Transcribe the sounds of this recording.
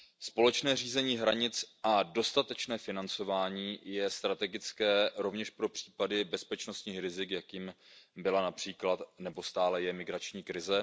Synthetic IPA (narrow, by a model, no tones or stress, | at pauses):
spo̞lɛt͡ʃnɛːriːzɛɲiːɦɾaɲɪt͡sʔado̞st̪at̪ɛt͡ʃnɛːfɪnant͡so̞vaːɲiːjɛst̪ɾat̪ɛɡɪt͡skɛːɾo̞vɲɛʃpɾo̞pr̝̥iːpadɪbɛspɛt͡ʃno̞st̪ɲiːxɾɪzɪkjakjiːmbɪlanapr̝̥iːklat̪nɛbo̞st̪aːlɛjɛmɪɡɾat͡ʃɲiːkɾɪzɛ